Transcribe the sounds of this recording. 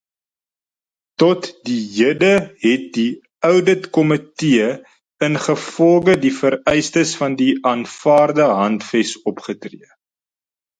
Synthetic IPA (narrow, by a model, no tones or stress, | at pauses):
tɔtdijədəɦɛt̚di | œwdətkɔmətiə | ənχəfɔlɡədifəɾɛjstəsfɐndiɑːnfɑːrdəɦɐntfɛsɔpχətrḭə